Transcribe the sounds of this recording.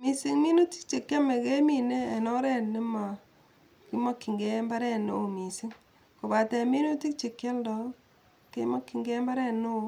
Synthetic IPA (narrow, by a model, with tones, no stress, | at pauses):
mi˨si˨ŋmi˦nu˦ti̥˦k̚t͡ʃe˨kja˦me˨ke˦mi˨neː˦˨nɔ˦ɾɛ˦nːɪ˦ma˨ | ki˦ma˦kːi˨ŋɡɛ˦mba˦ɾɛ˦no˦o˨mi˨si˦ŋ | ko˨ba˨tɛ˨mi˦nu˦ti˦k̚t͡ʃe˨kja˦ldɔ˨ | ke˦ma˦kːi˨ŋɡɛ˦mba˦ɾɛ˦no˦o˨